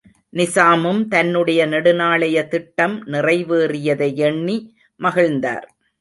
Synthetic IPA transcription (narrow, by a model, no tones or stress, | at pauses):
nɪsaːmɯmt̪ɐnːɯɽɐjɐnɛɽɯnaːɭɐjɐt̪ɪʈːɐmnɪrɐɪʋeːrɪjɐðɐɪɛɳːi | mɐɣɪɻnd̪a̰ːɾ